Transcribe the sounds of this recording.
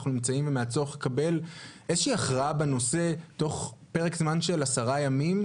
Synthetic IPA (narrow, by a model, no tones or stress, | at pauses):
χnunimt͡saimvemeat͡soχakabe̞lʔezoʃiːaχʁaabeno̞se̞to̞χpe̞ʁekzmanʃe̞lasaʁajamim